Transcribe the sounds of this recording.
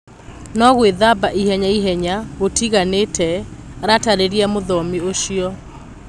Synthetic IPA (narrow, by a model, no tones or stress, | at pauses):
nɔɣweðabaʔihɛɲaiɦɛɲaɣotiɣaneːtʰɛɾataɾeɾiɛmoðɔmioɕiɔ